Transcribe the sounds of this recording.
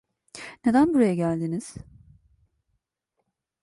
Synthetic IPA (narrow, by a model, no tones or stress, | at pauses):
ne̞d̪ænbuɾajaɟælʲd̪iniz̥